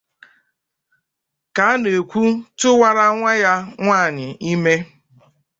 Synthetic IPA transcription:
ka˨˦a˦ne˨kʷu˦tʊ˦wa˦ɾa˦ŋʷa˦ja˦ŋʷaː˦˨ɲɪ˨i˦me˦

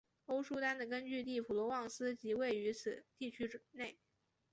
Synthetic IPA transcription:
o˥ʊʂu˥t̪a˥nd̪ə˨k̬ə˥nt͡ɕy˥˧t̪i˥˩pʰu˨˩lwɔ˧˥wɑ˥˩ŋsɹ̩˥t͡ɕi˧˥we˥˩ɪy˧˥t͡sʰɹ̩˨˩t̪i˥˩t͡ɕʰy˥ʈ͡ʂne˥˩ɪ

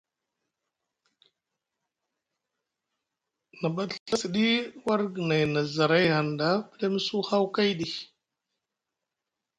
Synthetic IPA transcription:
na˨ɓa˦ɬɬa˦si˨ɗi˦wa˦ɾɡə˨na˨jna˨za˨ɾa˦jha˨nda˦pə˦le˦m˦su˦ha˦wka˦jɗi˨

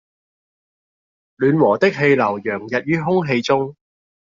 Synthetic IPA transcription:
lyː˨˧nwɔː˨˩t̪ɪ˥k̚ɦe˧jlɐ˨˩wjœː˨˩ŋjɐ˨t̚jyː˥ɦʊ˥ŋɦe˧jt͡sʊ˥ŋ

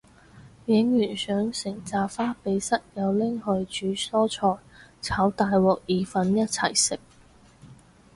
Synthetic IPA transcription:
jɪ˨˥ŋjyː˨˩nsœː˨˥ŋsɪ˨˩ŋt͡saː˨˧faː˥pe˨˧jsɐ˥t̚jɐ˨˧wlɪ˥ŋhɵ˨˧ɥt͡ʃyː˨˥sɔː˥t͡sʰɔː˧jt͡sʰaː˨˥wt̪aː˨jwɔː˨k̚jiː˨fɐ˨˧˥njɐ˥t̚t͡sʰɐ̰˨˩jsɪ˨k̚

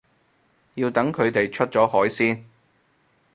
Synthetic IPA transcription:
jiː˧wt̪ɐ˨˥ŋkʰɵ˨˧ɥt̪e˨jt͡ʃʰɵ˥t̚t͡ʃɔː˨˥hɔː˨˥jsiː˥n

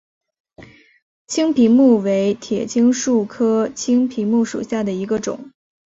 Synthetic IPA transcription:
t͡ɕʰi˥ŋpʰi˧˥ŋmu˥˩we˧˥ɪt̪ʰjɛ̰˨˩t͡ɕʰi˥ŋʂu˥˩kʰɤ˥t͡ɕʰi˥ŋpʰi˧˥mu˥˩ʂṵ˨˩ɕja˥˩d̪ə˩i˧˥ɡə˧ʈ͡ʂʊ̰˨˩˦ŋ

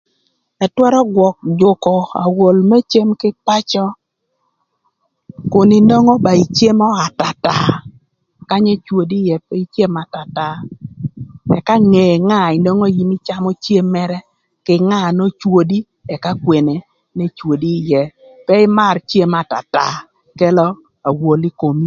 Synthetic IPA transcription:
ɛ˨twɛ˦ɾɔ˦ɡwɔ˨k̚d͡ʒʊ˨kɔ˨a̰˨wo˨lme˦t͡ʃe˦mkɪ˦pa˦t͡ʃɔ˦ | kʊ˨nɪ˨no˦ŋɔ˦ba˨i˨t͡ʃje˦mɔ˦a˨ta˨ta˦ | ka˦ɲe˦t͡ʃwo˨di˦jɛ˦pɛ˦i˦t͡ʃje˦ma˨ta˨ta˦ | ɛ̰˨ka˦ŋe˨ŋa˦ɪ˨no˦ŋo˦ji˦mi˦t͡ʃa˦mɔ˦t͡ʃje˦mːɛ˦ɾɛ˦ | kɪ˦ŋa˦˨no˦t͡ʃwo˦di˦ | ɛ˨ka˦kwe˨ne˨ | ne˦t͡ʃwo˨di˦jɛ˦ | pɛ˦ɪ˦ma˦rt͡ʃje˦ma˨ta̰˨ta̰˨ | kɛ˦lɔ˦ | a˨wo˨li˦ko˨mi˦

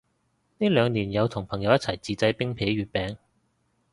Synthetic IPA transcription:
niː˥lœː˨˧ŋniː˨˩njɐ˨˧wt̪ʰʊ˨˩ŋpʰɐ˨˩ŋjɐ˨˧wjɐ˥t͡sʰɐ˨˩jt͡siː˨˧t͡sɐ˧jpɪ˥ŋpʰe˨˥jɥyː˨˧t̚pɛː˨˧ŋ

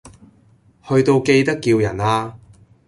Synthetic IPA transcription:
hɵ˧ɥt̪o˧wke˧jt̪ɐ˥kːiː˧wjɐ˨˩naː˧

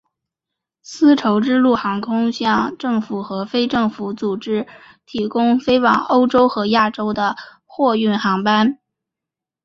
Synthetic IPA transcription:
sɹ̩˥ʈ͡ʂʰo˧˥ʊʈ͡ʂɻ̩˥lu˥˩xɑ˧˥ŋkʰʊ˥ŋɕjɑ˥˧ŋʈ͡ʂɤ˥˩ŋfu˨˩xɤ˧˥fe˥ɪʈ͡ʂɤ˥˩ŋfu˧˥t͡su˨˩ʈ͡ʂɻ̩˥ | t̪ʰi˧˥kʊ˥ŋfe˥ɪwɑ̰˨˩ŋo˥ʊʈ͡ʂo˥ʊxɤ˧˥ja˥˩ʈ͡ʂo˥ʊd̪ə˨ | xwɔ˥˧y˥˩nxɑ˧˥ŋpa˥n

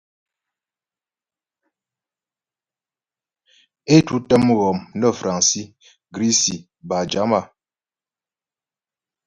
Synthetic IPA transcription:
e˦tu˦tə˦m˦ɣɔ˨mnə˦˨fɾa˨ŋsi˦ | ɡɾi˦si˨ | ba˨d͡ʒa˨˦ma˦˨

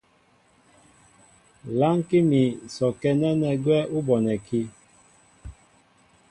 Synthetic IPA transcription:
la˦ŋ˦ki˦mi˨sɔ˨kɛ˦nɛ˦nɛ˨ɡwɛ˦u˦bɔ˨nɛ˨kʰi˦

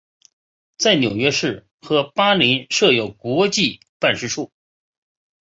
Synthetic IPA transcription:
t͡sa˥˩ɪnjo˨˩ʊɥɛ˥ʂɻ̩˥˩ | xɤ˧˥pa˥li˧˥nʂɤ˥˩jo˨˩ʊkwɔ˧˥t͡ɕi˥˧ | pa˥˧nʂɻ̩˥˧ʈ͡ʂʰu˥˩

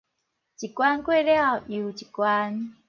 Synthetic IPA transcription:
t͡ʃi˨kwa˦n˦kwɛ˦ɾɛ˦a˦˨ʔi˨u˨t͡ʃi̥˨kwaː˦ni˦

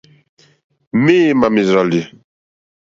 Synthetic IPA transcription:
me˦ma˨mi˨zɾa˨li˨

